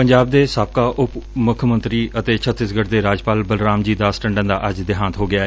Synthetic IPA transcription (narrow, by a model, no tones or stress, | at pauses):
pəɲd͡ʒaːb̚d̪eːsaːp̚kaːʔʊpmʊkʰmə̃nt̪ɾiːət̪eːt͡ʃʰət̪ːɪsɡəɽd̪eːɾaːd͡ʒpaːlbəlɾaːmd͡ʒiːd̪aːsʈəɳɖə̃nd̪aːʔəd͡ʒd̪ɪɦãːnt̪ɦoːɡɪaːɛ